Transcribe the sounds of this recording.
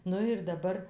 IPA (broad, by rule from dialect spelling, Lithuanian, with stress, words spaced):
ˈnʊ ɪr dɐˈbɐr